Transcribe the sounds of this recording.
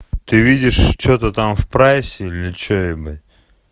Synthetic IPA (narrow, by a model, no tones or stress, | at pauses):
t̪ɨvʲidʲɪʂt͡ɕot̪ət̪amfpɾasʲɪilʲɪt͡ɕonʲɪbɨtʲ